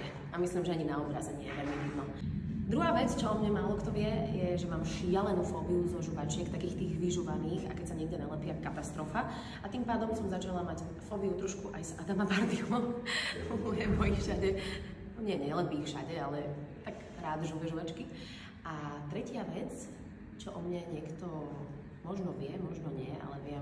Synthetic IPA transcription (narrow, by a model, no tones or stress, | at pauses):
ɛ | amislimʒɛaɲinaɔbɾazɛɲɪɛ̰jɛʋɛlmiɦid̪nɔ | d̪ɾuɦaːʋɛt͡st͡ʃɔɔmɲɛmaːlˠɔkt̪ɔʋɪɛjɛʒɛmaːmʃɪalɛnufɔːbiuzɔʒuʋat͡ʃɛkt̪akiːxt̪iːɣʋiʒuʋaniːxa̰kɛcsaɲɛɡɟɛnalɛpɪakat̪ast̪ɾɔfa | at̪impaːd̪ɔmsɔmzat͡ʃalˠamac | fɔːbiut̪ɾɔʃkuʔajsad̪amabaɾd̪iɔmɔɔmɔjɛmɔjifʃaɟɛ | ɔɲɪɛjɛɲɛlɛpiːfʃa̰ɟɛalɛt̪aɡ | ɾaːd̪ʒuʋɛʒuʋat͡ʃki | at̪ɾɛcɪaʋɛt͡s | t͡ʃɔʔɔmɲaɲɪɛkt̪ɔ | mɔʒnɔʋɪɛmɔʒnɔɲɪɛa̰lɛʋɪɛ